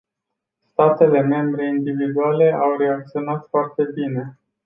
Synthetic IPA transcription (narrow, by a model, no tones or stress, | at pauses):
st̪at̪e̞le̞me̞mbɾe̞ind̪ivid̪uale̞ʔawɾe̞ak̚t̪sio̞nat̪foart̪e̞bine̞